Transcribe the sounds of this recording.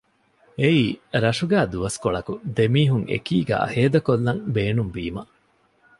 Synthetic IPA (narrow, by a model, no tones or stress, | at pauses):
eiːɾɐʂuɡæːd̪uʋɐskoɭɐkud̪emiːɦuŋḛkiːɡæ̰ːheːd̪ɐkolːɐŋbeːnumbiːmɐ